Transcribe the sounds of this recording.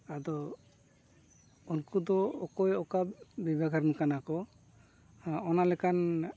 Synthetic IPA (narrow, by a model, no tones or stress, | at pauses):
ad̪ɔ | unkud̪ɔɔkɔjɔkabbibʱaɡʱaɾmikanakɔ | ɔnalɛkan